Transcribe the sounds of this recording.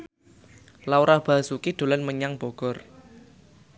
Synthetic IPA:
lawɾab̥a̤sukid̪̥o̤lanməɲaŋb̥ɔ̤ɡ̥ɔ̤r

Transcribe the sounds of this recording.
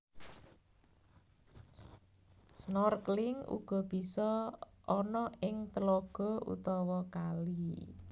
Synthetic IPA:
snɔrklɪŋṵɡ̥ɔ̤b̥i̤sɔʔːnɔɪŋt̪əlɔɡ̥ɔ̤ʔṵt̪ɔwɔkali

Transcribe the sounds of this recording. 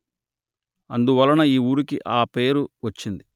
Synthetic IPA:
ɐnd̪uʋɐlːɐnɐiːuːɾukiʔaːpe̞ːɾuʋɐt͡ʃːind̪i

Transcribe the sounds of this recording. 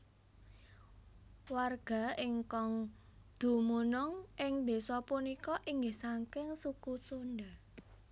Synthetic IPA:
warɡ̥a̤ɪŋkɔŋ | d̪̥ṳmunʊŋʔɪŋb̪̥e̤sɔpunikɔʔiŋɡɪhsaŋkɪŋsukusonɖa

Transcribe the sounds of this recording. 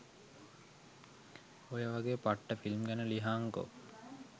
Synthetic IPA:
ojəʋaɡeːəpaʈːəfilmɡænəliɦaːŋko̰

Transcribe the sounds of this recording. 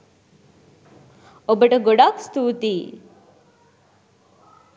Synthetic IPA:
obəʈəɡoɖakst̪uːt̪iː

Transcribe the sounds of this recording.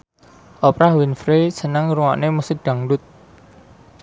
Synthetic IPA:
ʔɔpɾahwinfɾesənəŋɾuŋa̰ʔnemusiɖ̥a̤ŋɖʊt̪̚

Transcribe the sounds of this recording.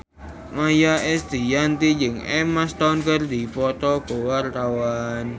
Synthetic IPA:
majaʔɛsd̪i̤jant̪id͡ʒɪŋɛmast̪ankərd̪ipɔt̪ɔb̥o̤wart̪awan

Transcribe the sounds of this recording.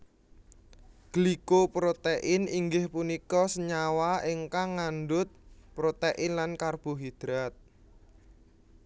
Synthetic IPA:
ɡ̥likopɾot̪eʔɪniŋɡɪhpunikɔsəɲawaɪŋkaŋːanɖʊt̪̚pɾot̪eʔɪnlankarb̥o̤ɦid̪̥ɾat̪̚

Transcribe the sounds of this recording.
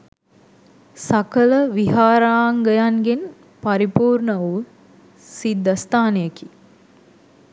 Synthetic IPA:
sakələʋiɦaːɾaːŋɡəjaŋɡen | paɾipuːɾɳəʋu | sid̪ːəst̪aːnejəki

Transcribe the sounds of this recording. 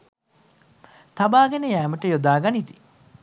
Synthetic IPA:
t̪abaːɡenəjæːməʈəjod̪aːɡanit̪i̥

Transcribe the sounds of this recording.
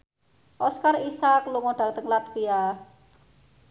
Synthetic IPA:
ʔɔskarisaklumɔɖ̥a̤t̪əŋlat̪̚b̥ija

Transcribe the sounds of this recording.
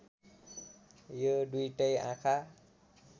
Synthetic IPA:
joɖujʈʌjã̰kʰa

